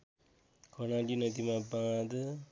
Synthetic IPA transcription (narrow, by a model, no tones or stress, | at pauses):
kʰʌnalinʌd̪imabãd̪